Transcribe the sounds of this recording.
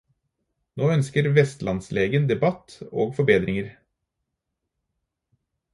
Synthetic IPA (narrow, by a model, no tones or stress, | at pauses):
noːœnskəɾʋɛst̪lʔɑnsleːɡənd̪ɛbɑt̪o̰ːɡfɔɾbeːd̪ɾʔɪŋəɾ